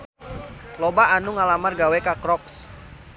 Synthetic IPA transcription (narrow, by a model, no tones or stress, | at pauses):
lɔbaanuŋalamarɡawɛkakɾɔks